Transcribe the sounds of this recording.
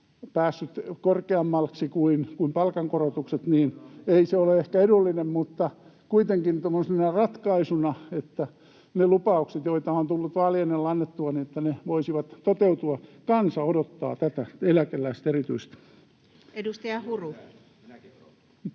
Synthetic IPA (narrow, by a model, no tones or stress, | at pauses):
pæːsːyt̪korkeɑmːɑlksikuinkuimpɑlkɑŋkorot̪ukset̪niːneiseoleehkæedulːinemmut̪ːɑ | kuit̪eŋkint̪omːonsemːonɑrɑt̪kɑisunɑet̪ːæ | nelupɑukset̪joit̪ɑont̪ulːut̪ʋɑːlijenːelːɑnːet̪ːuɑniet̪ːæneʋoisiʋɑt̪t̪ot̪eut̪uɑkɑnsɑodot̪ːɑ̰ːt̪æt̪æelækelːæist̪erit̪yist̪ | edust̪ɑjɑhuru